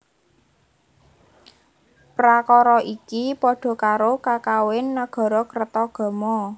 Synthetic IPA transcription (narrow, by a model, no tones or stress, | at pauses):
pɾakɔɾɔʔikipɔɖ̥ɔ̤kaɾokakawɪnːaɡ̥ɔ̤ɾɔkərt̪ɔɡ̥ɔ̤mɔ